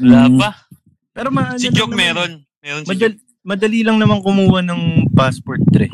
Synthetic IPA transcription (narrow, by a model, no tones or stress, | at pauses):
wɐlabɐ | pɛːɾomɐaːnsɪd͡ʒokmɛːɾon | mɛːɾonmɐd̪ɐ | mɐd̪ɐliːlɐŋnɐmaŋkʊmuːwɐnɐŋpaspoɹt̪̚ːɾɛ̰